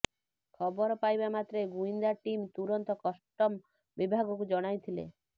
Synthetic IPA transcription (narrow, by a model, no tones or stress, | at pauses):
kʰɔbɔɾɔpajbamat̪ɾeɡuind̪aʈimt̪uɾɔnt̪ɔkɔsʈɔm | bibʱaɡɔkud͡ʒɔɽ̃ajt̪ʰilḛ